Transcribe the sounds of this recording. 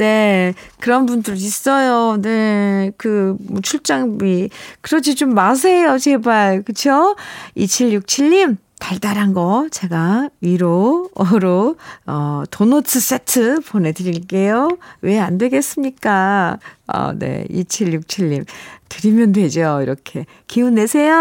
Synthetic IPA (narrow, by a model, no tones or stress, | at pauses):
ne̞kɯɾʌnbundɯɾis͈ʌjone̞kɯmot͡ɕʰuɭt͡ɕ͈aŋmikɯɾʌd͡ʑit͡ɕomːas̬ʰe̞jot͡ɕe̞baɭkɯt͡ɕʰoit͡ɕʰiɭjuk̚t͡ɕʰiʎːim | taɭtaɾɦanɡʌt͡ɕe̞ɡaiɾoɾoʌtonotʰɯs͈e̞tʰɯpone̞dɯɾiɭk͈e̞jowe̞andwe̞ɡe̞s͈ɯmɲik͈a | ʌ̰nḛḭt͡ɕʰiɭjuk̚t͡ɕʰiʎːimtɯɾimjʌndwe̞d͡ʑoiɾʌkʰe̞ | kiunːe̞sʰejo